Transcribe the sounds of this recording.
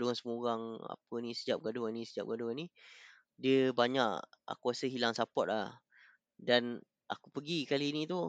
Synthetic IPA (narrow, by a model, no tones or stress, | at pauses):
duansəmuɣaŋa̰pənĩsəd͡ʒap̚ɡaduanĩsəd͡ʒa̰p̚ɡaduani | diəbaɲaʔa̰kuasəɦilaŋsapɔt̪̚lah | dan | a̰kupəɡikaliːnĩt̪u